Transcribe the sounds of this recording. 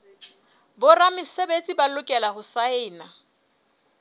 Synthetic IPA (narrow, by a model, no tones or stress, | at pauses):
bʊramɪsebet͡sʼibalʊkʼɛlahʊsaɪːna